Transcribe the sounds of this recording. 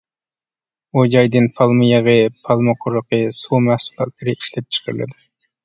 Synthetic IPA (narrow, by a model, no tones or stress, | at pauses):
od͡ʒɑjd̪ɨnpʰɑlˠmijɑʁɨpʰɑlˠmoqʰoɾəqɨsuːmæhsulˠɑ̰t̪lˠɨɾɨʔiʃlɛp̚t͡ʃʰə̥qʰɑɾlˠɨ̰d̪ɪ